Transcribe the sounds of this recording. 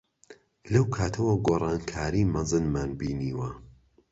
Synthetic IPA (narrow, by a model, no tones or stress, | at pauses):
lɐwkʰaːt̪ʰɐwɐɡoːrˤɑːnkʰaːɾiːmɐzɨnmaːnbiːniːwɐ